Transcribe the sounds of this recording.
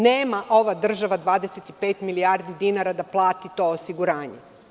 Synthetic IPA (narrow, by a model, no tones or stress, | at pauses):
neːmaʔo̞ʋad̪r̩ʒaʋad̪ʋaːd̪eset̪ipe̞ːt̪miliaɾd̪id̪inaɾad̪aplˠaːt̪it̪o̞osiɡuɾaːɲe